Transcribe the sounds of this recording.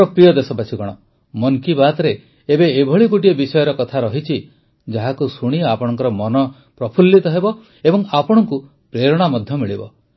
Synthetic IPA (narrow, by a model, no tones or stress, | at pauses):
ɔpɾijɔd̪esɔpat͡ʃʰiɡɔɽ̃ɔ | mɔŋkibat̪ɔɾeː | beːbʱɔɭikuʈiɔbisɔjɔɾɔkɔt̪ʰaɾɔɦit͡ʃʰi | d͡ʒaɦakusuɽ̃iapɔɽ̃ɔŋkɔɾɔmɔnɔ | pɾɔpʰulːit̪ɔɦebɔ | ebɔŋapɔɽ̃ɔŋku | pɾeɾɔɽ̃amɔd̪ʱjɔmiɭibɔ